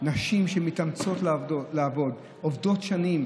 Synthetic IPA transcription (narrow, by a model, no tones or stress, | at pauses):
naʃimʃemitamt͡sotllaavo̞d | ovdo̞tʃanim